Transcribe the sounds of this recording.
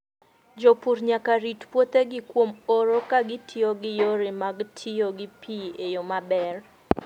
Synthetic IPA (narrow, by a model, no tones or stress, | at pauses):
d͡ʒopuɾɲakaɾitpwot̪eɡɪkwomoɾokaɡɪtʰioɡɪjoɾemaɡtʰioɡɪpʰiejomabɛr